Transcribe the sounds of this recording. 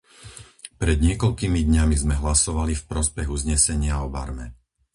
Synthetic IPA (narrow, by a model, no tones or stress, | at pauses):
pɾɛd̪ɲɪɛkɔʎkimid̪ɲamizmɛɦlasɔʋalifpɾɔspɛɣuzɲɛsɛɲɪaɔba̰ɾmɛ